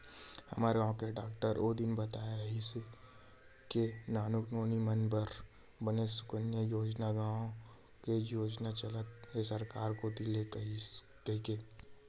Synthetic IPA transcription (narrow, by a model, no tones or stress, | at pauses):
hɐ̰maːɾeɡãːõkeɖaːk̚ʈəɾod̪ɪnbɐt̪aːeɾɐɦise | kenaːnʊknoːnimənbəɾ | bɐnesʊ̥kənjəjoːd͡ʒnaɡãːõ | kejoːd͡ʒnat͡ʃɐlət̪esɐɾkaːɾkot̪ilek | kɐɦikeː